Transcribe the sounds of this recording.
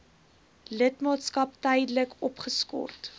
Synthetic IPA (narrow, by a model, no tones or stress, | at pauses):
lətmɑːtskɐptɛjdələkɔpχəskɔ̰rt